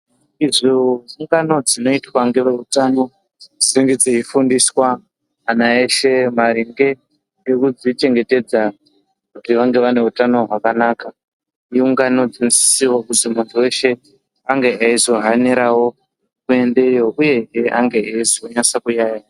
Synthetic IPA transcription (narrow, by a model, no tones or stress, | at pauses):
izouŋɡano̞d͡zino̞itwaŋɡeʋeutano̞ | d͡ziɾiŋɡed͡zeifundiswaː | naeʃe̞maɾiŋɡe̞ | ŋɡe̞kud͡zit͡ʃe̞ŋɡe̞te̞d͡za | kutiʋaŋɡe̞ʋane̞utano̞ɦwakanaka | iuŋɡano̞d͡zinosi̥siwakutimuntuwe̞ʃe̞ | aŋɡe̞aizo̞ɦaneɾawo̞ | kue̞nde̞jo̞ʔuje̞ɦeaŋɡe̞eizoɲasakujaːja